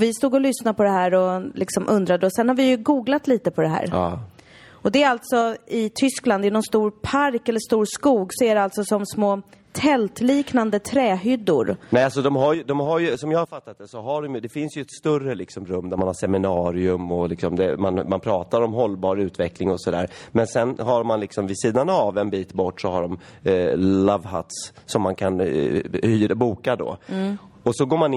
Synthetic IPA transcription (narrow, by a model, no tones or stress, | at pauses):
vɪst̪uːɡɔlʏsnapʰɔd̪ɛɦæːɾɔlʔɪksɔmʔɵnd̪ɾad̪əɔsɛnhaɾvɪjɵɡuːɡlat̪liːt̪əpʰɔd̪ɛɦæ̰ːɾɑː | ɔd̪ɛɾalt̪sɔɪt̪ʰʏskland̪ɛjnɔnst̪uːɾpʰaɾkɛlːəʂt̪uːɾskuːɡsɔæɖɛalt̪sɔsɔmsmoː | t̪ʰɛlt̪liːknand̪ət̪ʰɾɛːɦʏd̪ːʊ̰ɾnɛalsɔd̪ɔmɦaɾjd̪ɔmɦaɾjɵsɔmjɑːhaɾfat̪ːat̪̚d̪ɛsɔɦaɖɔmjɵd̪ɛfɪnsjɵɛt̪st̪ɵrəlɪksɔmɾɵmːd̪æɾmanhaʂɛmɪnɑːɾɪɵmɔlɪksɔmd̪ɛmanmanpʰɾɑːt̪aɾɔmɦɔlːbɑːɾʉ̟ːt̪vɛklɪŋɔsɔd̪æ̰ːɾmɛnsɛnɦaɾmanlɪksɔmvɪsiːd̪anavɛnbiːt̪bɔʈːʂɔhaɖɔm | lavha̰t̪sːɔmːankʰanhyːɾbuːkad̪ɔ̰ː | ɔsɔɡoːɾmanɪ